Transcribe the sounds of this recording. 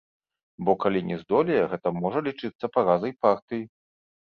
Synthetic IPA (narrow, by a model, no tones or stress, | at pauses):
bɔkalʲinʲʔɛzd̪ɔlʲijɛɣɛt̪ɐmɔʐɐlʲit͡ʂɨt̪sːɐpaɣazɐjpart̪ɨji